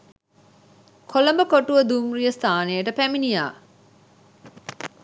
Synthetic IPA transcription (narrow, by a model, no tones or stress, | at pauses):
kʰolɐmbəkoʈuʋəd̪umrijəst̪aːnejəʈəpæminijaː